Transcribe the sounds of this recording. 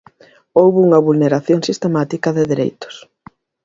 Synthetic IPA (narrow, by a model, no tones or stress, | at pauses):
owβuŋɐβulneɾaθjoŋsist̪emat̪ikɐðeðeɾḛjt̪ʊ̥s